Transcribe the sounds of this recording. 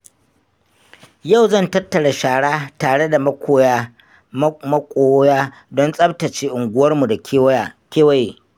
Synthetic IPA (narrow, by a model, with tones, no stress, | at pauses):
ja˦˨wzɐ˦˨ntɐ˦tːɐ˨ɽa˨ʃaː˨ɽaː˦taː˨ɽe˦da˨mɐ˦kʷoː˦ja˦ | mɐ˦kʷʼoː˦jaː˦ | dɔ˦nsʼɐ˦btɐ˨t͡ʃeː˦ʔʊ˨ŋɡʷʊ˦wɐ˦rmu˨da˨˦kʲeː˦wa˦jeː˨